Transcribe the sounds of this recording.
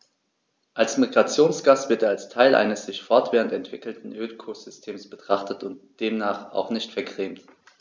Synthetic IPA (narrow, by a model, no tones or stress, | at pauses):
ʔalsmiɡʁat͡sjoːnsɡ̥aːsv̥ɪɐteːɐalstʰaɪlʔa̰ɪnəsz̥ɪçfɔɐtv̥ɛːʁəntɛntv̥ɪkl̩tn̩ʔøːlkʰoz̥ʏstʰeːmsb̥ətʁ̥aχtətʊnt̚d̥eːmnaːχa̰ʊχnɪçtfɛɐɡʁ̥eːmt